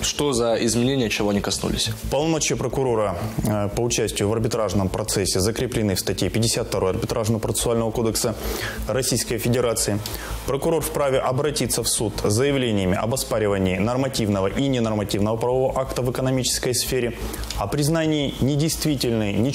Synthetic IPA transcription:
ʂt̪ozɐɪzmʲɪnʲenʲɪjət͡ɕɪvoɐnʲikɐsnṵlʲɪ̰sʲpɐlˠnmot͡ɕɪpɾəkʊɾo̞ɾəpəʊt͡ɕæsʲtʲɪjʊvɐrbʲɪt̪ɾaʐnəmpɾɐt̪sɛsʲːɪzəkɾʲɪplʲɪnɨfst̪ɐtʲjepʲɪdʲɪsʲat̪̚ːt̪ɐɾo̞jɐrbʲɪt̪ɾʔaʐnəvəpɾət̪ɨ̥sʊalʲnəvəko̞d̪əksərɐsʲijskəjfʲɪdʲɪɾat̪sɨɪ | pɾəkʊɾo̞rfpɾavʲɪʔɐbɾɐtʲit̪səfsut̪zəjɪvlʲenʲɪjəmʲɪʔɐbɐspaɾʲɪvənʲɪːnərmɐtʲivnəvəʔinʲɪnərmɐtʲivnəvəpɾəvɐvoʔakt̪əvɨkənɐmʲit͡ɕɪ̥skəjsfʲeɾʲɪ | ɐpɾʲɪznanʲɪːnʲɪdʲɪjst̪vʲitʲɪlʲnɨjnʲɪ

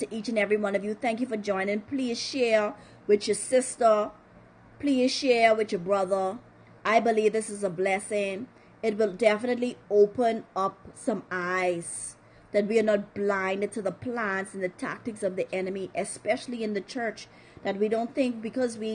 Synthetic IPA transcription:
tɨʔit͡ʃɨ̃nɛvɹiwʌ̃nʌvjɨθæ̃ŋk̬jɨfə˞d͡ʒɔ̃ɪ̃nɪ̃ŋpʰl̥iz̥ʃɛɹ | wɨðjə˞sɪstə˞ | pʰl̥izʃɛɹwɨðjə˞bɹʌðə˞ | ʔaɪbɨlivðɪsɨzəblɛsɪ̃ŋ | ɨt̚wəlˠdɛfɨnɨt̬ˡlioʊpə̃nʌp̚sʌ̃maɪz̥ | ðɨt̚wiə˞nət̚b̥lãɪ̃ndtʰɨðəpʰl̥æ̃ntsn̩ðɨtʰæ̰k̚tɨksʌvðiʔɛnɨmiʔɨspɛʃl̩ˠiɨ̃nðɨt͡ʃʰɜ˞t͡ʃ | ðɨt̚widõʊ̃nθɪ̃ŋk̚b̥ɨkʌzwi

